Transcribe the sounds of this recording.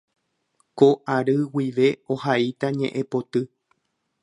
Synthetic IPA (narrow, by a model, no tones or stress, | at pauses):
koʔaɾɨwiʋe̞ohait̪aɲẽ̞ʔẽpo̞t̪ɨ